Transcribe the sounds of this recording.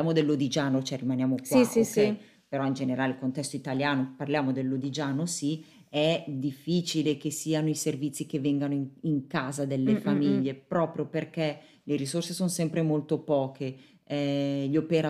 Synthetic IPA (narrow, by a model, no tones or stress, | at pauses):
aːmod̪elːod̪id͡ʒaːnot͡ʃoɛrimanjaːmokswae | peɾɔind͡ʒeneɾaːleilkont̪ɛst̪oit̪aljaːnoparljaːmod̪elːod̪id͡ʒaːnosi | ɛd̪ifːit͡ʃilekesːiːanoiservit̪sːikevːɛŋɡanoiŋiŋkaːzad̪elːefamiʎːepɾɔːpɾjoperke | leɾisorsesonsɛmpɾemolt̪opɔːkʰe | ɛʎopeɾa